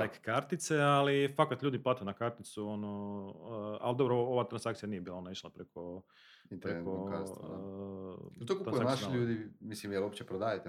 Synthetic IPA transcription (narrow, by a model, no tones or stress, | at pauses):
t̪ekkaɾt̪it̪sealifakat̪ʎuːd̪iplat̪ijunakaɾt̪it̪suono | a̰ld̪o̞bɾooʋat̪ɾansakt̪sijanijebiːlˠaonaiʃlˠapɾekʰo | inp̪t̪ɾeekokas | t̪okuɾankanaʃiʎuːd̪imislimelopt͡ɕepɾod̪aːjet̪e